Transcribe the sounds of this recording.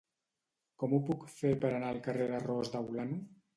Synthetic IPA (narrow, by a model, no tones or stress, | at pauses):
kɔmupukfeɾpəɾanaəlˠkəreðərɔzd̪awlanu